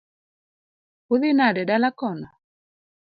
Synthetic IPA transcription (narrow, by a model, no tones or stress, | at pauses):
uðɪnadɛɗalakɔna